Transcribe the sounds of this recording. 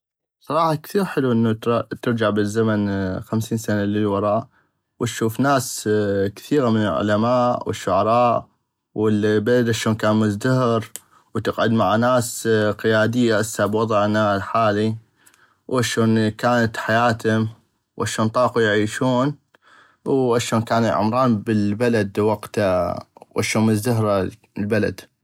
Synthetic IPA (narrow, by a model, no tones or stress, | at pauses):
sˤɑɾˤɑːħɑkθiːɾħɪluʔɪnːut̪ɪɾd͡ʒaʕbɪzːamanxamsiːnsanalɪlwɑɾˤɑːʔ | wɪt̪ʃuːfnaːskθiːɣamɪnɪlʕʊ̰lamaːʔwɪ̰ʃːʊʕɑɾˤɑːʔ | wɪlbalad̪ʔaʃoːnkaːnmʊzd̪ahɪɾ | wt̪ɪqʕʊd̪maʕanaːsqɪjaːd̪ɪjːaʔasabwɑðˤʕnalħaːli | wʔaʃoːnkaːnat̪ħajaːt̪hʊm | wʔaʃoːnt̪ˤɑːqujʕiːʃuːn | wʔaʃoːnkaːnjʕʊ̰mɾˤɑːnbəlbalad̪wɑqt̪awʔaʃoːnmʊzd̪aɦɾˤa | lbala̰d̪